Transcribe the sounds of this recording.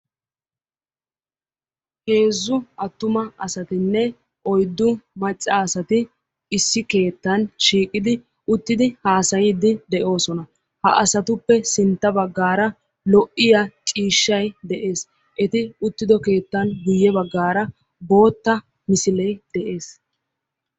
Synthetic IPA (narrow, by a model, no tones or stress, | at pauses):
he̞ːzːʊʔɐt̪ːʊmɐɐsɐt̪ɪnːɛ | ʔɔjd̪ːʊmɐt͡ʃʼːɐːsɐt̪ɪ | ɪsːɪke̞ːt̪ːɐnʃiːkʼɪd̪ɪ | ʊt̪ːɪd̪ɪhaːsɐjiːd̪ɪd̪ɛʔo̞ːsɔnɐ | hɐ̰ʔɐsɐt̪ʊpːɛsɪnt̪ːɐbɐɡːaːɾɐ | lɔʔɪjɐt͡ʃʼiːʃːɐjd̪ɛʔe̞ːs | ʔɛt̪ɪʊt̪ːɪd̪ɔke̞ːt̪ːɐnɡʊjːɛbɐɡːaːɾɐ | bo̞ːt̪ːɐ | mɪsɪlɛjd̪̥ɛʔe̞ːs